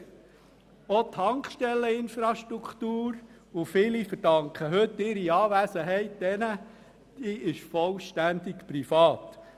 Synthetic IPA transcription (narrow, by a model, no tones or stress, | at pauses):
ot̪ʰhɑŋkʃtɛlːəɪnfɾɑʃt̪ɾukt̪uːɾ | ʊfiːlifəɾd̥ɑŋkχəɦɵt̪ːɪɾiɑːvæːsəɦɛɪt̚d̥̪ɛnə | d̥iːʔɪʃfɔlʃtænd̪ɪkpɾifɑːt̪